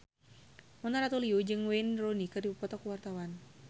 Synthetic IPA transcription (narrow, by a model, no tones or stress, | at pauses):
mɔnt̪aɾat̪uliud͡ʒɨŋweinronikɨrdibupɔt̪ɔkuwart̪awan